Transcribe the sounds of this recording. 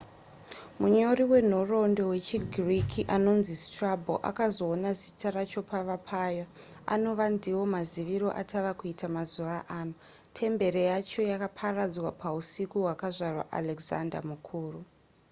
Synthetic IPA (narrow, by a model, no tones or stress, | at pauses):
muɲo̞riwe̞n̤o̞ro̞ndo̞we̞t͡ʃiɡʱrikʰiʔano̞nzistrabʱo̰ʔa̰kazo̞ːnazitʰarat͡ʃo̞paʋapʰaja | a̰no̞ʋandiwo̞maziʋiɾo̞̰ʔa̰tʰaʋakuitamazuʋaʔaːno | tʰe̞mbe̞ɾejat͡ʃo̞jakapʰarad͡zwapʰausikuɦwakaʐarwa̰ʔa̰leɡza̰nda̰mukʰuːru